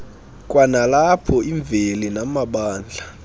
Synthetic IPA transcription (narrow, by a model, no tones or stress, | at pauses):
kʼwanalapʰɔʔiɱbvʱelinamaɓaːnd͡ɮʱa